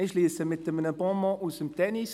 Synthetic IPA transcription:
ɪʃliːsəmɪtəmənəbɔ̃mɔ̃ʔusəmt̪ʰɛnis

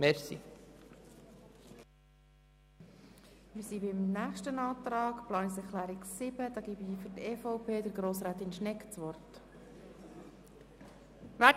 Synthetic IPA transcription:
mɛɾsḭ | mɪsibɪmnæːχʃtənɑːt̪ɾɑːkplɑːnisɛkʰlæːɾɪksɪb̥əd̥̪ɑːɡibifʏɾtɛːfɔʊpʰeːdəɾɡɾoːsɾaːt̪ɪnʃnɛkt͡sʋɔrt | ʋæ

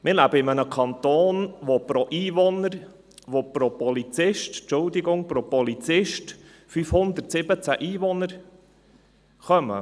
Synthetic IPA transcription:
mɪɾlæbəɪmənəkʰɑnt̪oːnʋopɾɔʔiːvɔnəɾ | ʋopɾopɔlit͡sɪʃtt͡ʃʊld̪ɪɡʊŋpɾopɔlit͡sɪʃt | fyfhʊnd̪əɾtsɪbət͡sæʔiːʋɔnəɾ | χœmə̰

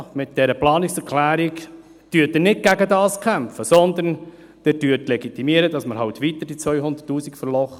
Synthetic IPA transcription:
mɪt̪̚d̥ɛɾəplɑːnɪksɛɾkʰlæːɾik | d̥yːtɛnɪtɡ̥æɡədɑːskʰæmpfəsɔnd̪ən | d̥̪ɛd̥yːtlɛɡit̪imiəɾədɑsməɾɦɑʊt̪ʋit̪əɾd̥it͡sʋœʏhʊnd̪ətːuːsikfəɾlɔχə

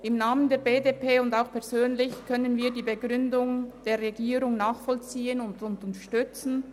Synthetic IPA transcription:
ɪmnaːməndeːɐbeːdepʰeːʊndaʊxpʰɛʁzøːnlɪçkʰœnənviːɐdiːbəɡʁʏndʊŋd̥eːɐʁeɡiːɾʊŋnaːχfɔlt͡siːənʊndʊntəəʃtʏt͡sn̩

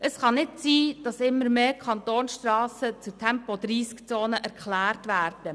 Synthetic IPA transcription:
əsχɑnɪtsiːd̥ɑsɪmːəɾmeːkχɑnt̪oːnsʃtrɑːsət͡sutʰɛmpɔdɾiːskt͡soːnəʔæɾkχlæːrtʋæːrd̥ə

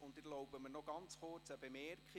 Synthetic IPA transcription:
ʊndɪɾlɔwbəmənɔɡɑnt͡sχʊt͡səbemɛɾkχi

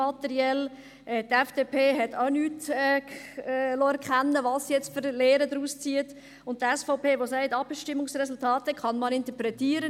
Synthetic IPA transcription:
ɑtɛɾiɛl | ʔɛt̪ɛfd̥epʰeːɦɛtʰaʊnyːtɛ | loɛɾkχænːəʋɑːsjɛt͡stfəɾleːɾədɾuːst͡siət | ʊnttːɛsfɔʊpeːʋosæɪtɑpʃtɪmʊŋsrɛsʊltʰɑːtəkʰχɑnmɑnɪnt̪əpɾɛtiːəɾə

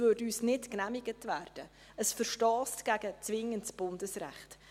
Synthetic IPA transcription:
vʏɾdyːsnɪtknæmɪɡətvæːrd̥ə | əsfəɾʃtɔːstɡ̥æɡət͡svɪŋəntsb̥ʊndəsɾæ̰χt

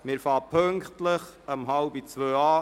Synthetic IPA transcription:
mɪːɾfɑːpʰɵŋktləχəmɦɑlbit͡sʋøːɑː

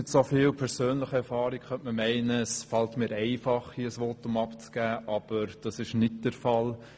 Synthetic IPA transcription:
ɪtsofɪːlpʰɛɾsøːnləχəɛɾfɑːɾikχœntməmɛɪnəːsfɑltmɪːɾɛɪfɑχiəsʋotʊmɑpt͡sɡ̥æːʔɑb̥əɾd̥ɑsɪʃnɪt̚d̥əɾfɑl

